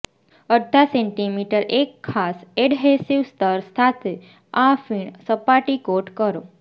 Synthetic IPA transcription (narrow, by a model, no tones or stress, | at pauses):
əd̪ʱaseɳʈimiʈəɾekʰːaseɖɦesiʋst̪əɾst̪ʰat̪ʰe | afiɳsəpaʈikoʈkəɾo